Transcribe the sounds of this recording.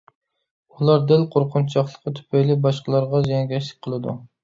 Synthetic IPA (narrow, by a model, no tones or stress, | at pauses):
ulˠɑɾd̪ɪlqʰoɾqʰʊnt͡ʃʰɑχlˠəqːɨt̪ʰy̥pʰɛjlɪbɑʃqəlˠɑɾʁɑzjɛŋɡʲɛʃlɪk̚ʲqʰəlˠɨd̪ṵ